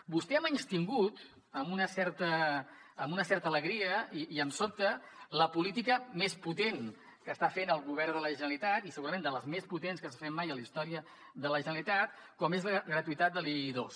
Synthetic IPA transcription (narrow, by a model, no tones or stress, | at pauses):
bust̪ɛəmənst̪iŋɡut̪ | əmunəsɛɾt̪əː | munəsɛrt̪ələɣɾiəiiəmsop̚t̪ələpulit̪ikəmesput̪en | kəst̪afenəlˠɣuβ̞ɛɾðələʒənəlit̪at̪isəɣuɾəmend̪ələzmesput̪enskəs̬əfɛmːajəlist̪ɔɾiə | ðələʒənəlit̪at̪̚ | kɔmezɣɾət̪uit̪at̪̚d̪əlˠiðos